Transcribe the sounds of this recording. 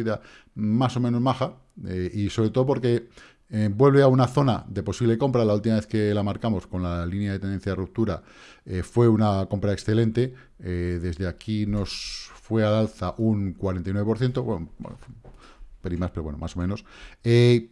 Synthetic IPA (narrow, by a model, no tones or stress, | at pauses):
iða | maso̞mẽnozmaxa | eiso̞βɾe̞t̪oop̬o̞ɾke̞ | bwe̞lβe̞aunaθo̞naðe̞po̞siβleko̞mpɾalault̪imaβe̞θke̞lamaɾkamo̞sko̞nlalinjaðt̪ene̞nθjaerup̚t̪uɾa | efwe̞unako̞mpɾaeksθe̞le̞nt̪e̞ | eðe̞zðeakino̞sfwe̞alalθaʔuŋkwaɾent̪ajnwepoɾθje̞nt̪̬o̞wen̰f | peɾimaspe̞ɾoβwe̞no̰ma̰so̞mẽnose